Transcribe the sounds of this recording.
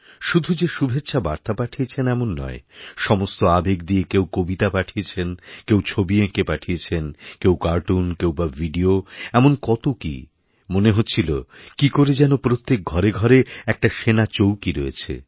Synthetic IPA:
ʃud̪ʱud͡ʑeʃubʱetːʃʰabaɾt̪apaʈʰiet͡ɕʰenɛmonːɔ̰eʃɔmost̪oabekd̪iekewkobit̪apaʈʰijet͡ɕʰenkewt͡ɕʰobiekepaʈʰijet͡ɕʰenkewkaɾʈunkewbavʱiɖioɛmonkɔt̪okḭ | moneɦotːɕʰilokikoɾed͡ʑɛnopɾot̪ːek̚ɡʱɔɾeɡʱɔɾeɛk̚ʈaʃenat͡ɕowkiɾɔḛt͡ɕʰḛ

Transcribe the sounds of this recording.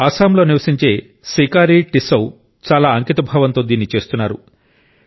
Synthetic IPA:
aːsaːmlo̞ːniʋɐsiɲt͡ʃe̞ː | siːkaːɾiʈisɐw | t͡ʃaːlaːɐŋkit̪ɐbʱaːʋɐnt̪o̞ːd̪iːnːit͡ʃe̞ːst̪unːaːɾu

